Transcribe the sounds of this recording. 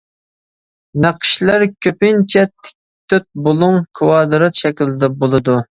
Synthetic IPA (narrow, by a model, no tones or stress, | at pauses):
næqʰə̥ʃlˠæɾkʲʰøpɪnt͡ʃʰɛt̪ʰːɪ̥k̚ʲ | t̪ʰːøt̪̚bolˠuŋkʰɨwɑːd̪ɨɾɑt̪ʃɛkʲilɪd̪ɛbolˠɨd̪u